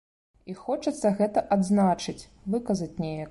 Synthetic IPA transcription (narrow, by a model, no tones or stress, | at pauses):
ixɔt͡ʂɐt̪sːɐɣɛt̪ɐʔad̪znat͡ʂɨt͡sʲ | vɨkɐzɐt͡sʲnʲejɐk